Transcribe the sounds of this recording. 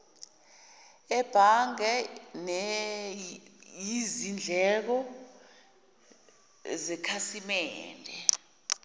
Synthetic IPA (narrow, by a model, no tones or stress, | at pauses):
ɛb̥ʱaŋɛnɛ | jizind͡ɮʱɛk̬ɔ | zɛkʰasimɛːndʱɛ